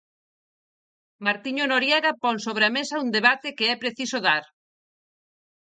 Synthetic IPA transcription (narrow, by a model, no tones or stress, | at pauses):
maɾt̪iɲonoɾjɛɣapɔŋsoβ̞ɾeamesɐund̪eβat̪ekeɛpɾeθisoðaɾ